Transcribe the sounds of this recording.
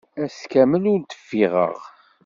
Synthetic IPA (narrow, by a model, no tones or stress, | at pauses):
æskæməlʊɾt̪ə̥fːiʁə̰ʁ